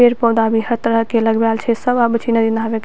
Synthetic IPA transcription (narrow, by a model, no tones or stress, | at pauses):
eɾpɔwd̪abiɦət̪ɾəkeləɡbjalt͡ʃʰɛsəbabt͡ʃʰinəd̪inabek